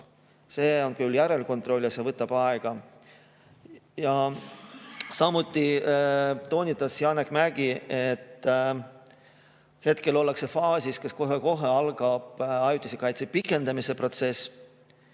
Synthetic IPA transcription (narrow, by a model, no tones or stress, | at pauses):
se̞ːo̞nkyljæɾe̞lko̞nt̪ˑro̞lʲːjɑsjevɤt̪ːˑɑb̥ɑeɡ̥ɑ | jɑ | sɑmut̪ˑːi | t̪o̞ːnʲit̪ːˑɑsjɑːnekmæɡ̥iet̪ː | he̞t̪ke̞lo̞lːekse̞fɑːsʲiskeskoɦeko̞ɦe̞ɑlɡ̥ɑb̥ɑjut̪ʲːˑisekɑjt̪sepikːˑe̞nd̪ɑmise̞pro̞t̪se̞s